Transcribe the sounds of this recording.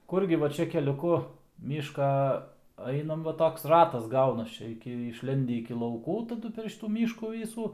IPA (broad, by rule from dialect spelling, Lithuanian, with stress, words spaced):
ˈkʊrʲɡʲɪ ˈʋɐ ˈt͡ʃʲɛ kʲɛlʲʊˈkʊ ˈmʲiːʃkɐ ˈɐɪnɐm ˈʋɐ ˈtoːks ˈrɑːtɐs ˈɡɐʊnɐs ˈt͡ʃʲɛ ɪˈkʲɪ ɪʃʲˈlʲɛnʲdʲɪ ɪkʲɪ lˠɐʊˈkuː tɐˈdʊ pʲɛr ˈʃʲiːtuː ˈmʲiːʃkuː ˈʋʲiːsuː